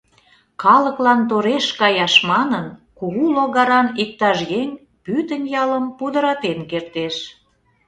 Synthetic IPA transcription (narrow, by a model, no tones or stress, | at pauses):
kɑlə̆klɑnt̪oɾeʃkɑjɑʃmɑnənkuɣuloɣɑɾɑnik̚t̪ɑʃjeŋʲ | pyt̪ənjɑləmpud̪əɾɑt̪enkert̪eʃ